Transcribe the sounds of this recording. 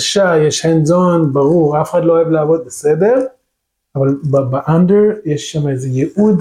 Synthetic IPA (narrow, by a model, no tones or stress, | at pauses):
ʃajeʃhenzonbaʁuʁafexad̪loajavleavod̪̚besedeʁ | ʔavalbbeʔandeʁjeʃːamezejeʔud